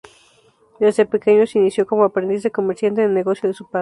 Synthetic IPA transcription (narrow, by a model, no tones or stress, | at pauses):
d̪ezd̪epekeɲosinisjokomoapɾend̪iz̬ðekomeɾsjant̪eðeneɣosjoðesupa